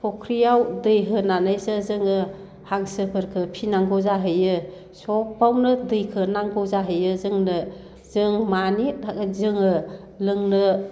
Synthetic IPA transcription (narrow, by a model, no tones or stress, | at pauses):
pʰɔkʰɾijawdɯjɦɯnanɯjsɯzɯŋɯ | haŋsɯpʰɯɾkʰɯpʰinaŋɡɔzaɦɯjɯ | sɔk̚bawnɯdɯjkʰɯnaŋbɔzaɦɯjɯzɯŋnɯ | zɯŋmanidʰakɯzɯŋɯ | lɯŋnɯ